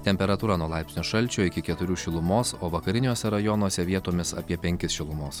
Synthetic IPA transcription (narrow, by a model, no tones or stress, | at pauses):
t̪ʲɛmʲpʲɛɾɐt̪uːɾɑːnuɔlˠɑɪpsʲnʲoːʃɐlʲˑt͡ʃʲoːɪkʲɪkʲɛt̪ʊɾʲuːʃʲɪlˠʊmoːsoːʋɐkɐɾʲɪnʲoːsʲɛɾɐjɔnuɔsʲɛʋʲiɛt̪oːmʲɪsɐ̰ːpʲiɛpʲɛŋʲkʲɪsʃʲɪlˠʊmoːs